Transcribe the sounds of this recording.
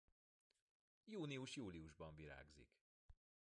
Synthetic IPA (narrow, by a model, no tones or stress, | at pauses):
juːniuʃjuːliuʒbɒɱviɾa̰ːɡzḭk